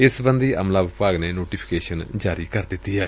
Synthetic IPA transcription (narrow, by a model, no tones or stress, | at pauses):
ɪsbə̃nd̪iːə̰mlaːʋɪpaːɡneːnoːʈiːpʰɪ̥keːʃənd͡ʒaːɾiːkəɾd̪ɪt̪ːiːɦɛː